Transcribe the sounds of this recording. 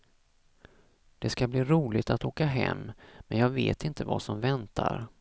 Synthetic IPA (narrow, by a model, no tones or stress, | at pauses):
d̪̥ɛskabliːɾuːlɪt̪at̪oːkaɦɛ̰mːmɛnjɑːɡveːt̪ɪnt̪ʰəva̰sɔmvɛnt̪ʰaɾ